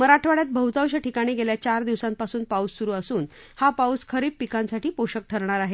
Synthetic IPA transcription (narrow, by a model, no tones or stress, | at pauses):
məɾaʈʰʋaɽjat̪̚bəɦut̪awɕaʈʰikaɽ̃iɡeljat͡ɕaɾd̪iʋsãmpasuːnpaussːuɾuːəsuːnhapawskʰəɾiːppikãnsaʈiːpoɕək̚ʈʰəɾɳ̃aɾaɦe